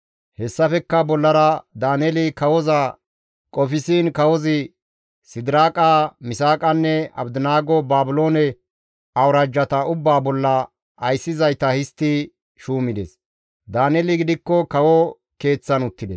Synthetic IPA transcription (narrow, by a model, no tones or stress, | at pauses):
hɛsːɐfɛkːɐbɔlːɐɾɐd̪aːnɛlɪkɐwɔzɐ | kʼɔfɪsiːnkɐwɔzɪ | sɪd̪ɪɾaːkʼaːmɪsaːkʼɐnːɛɐ̰bd̪ɪnaːɡɔbaːbʊloːnɛ | ɐwɾaːd͡ʒːɐt̪ɐʊbːaːbɔlːɐː | jsːɪzɐjt̪ɐhɪst̪ːɪ | ʃuːmɪd̪ɛ̰s | d̪aːnɛlɪɡɪd̪ɪkːɔkɐwɔ | ke̞ːt͡sːɐnʊt̪ːɪd̪es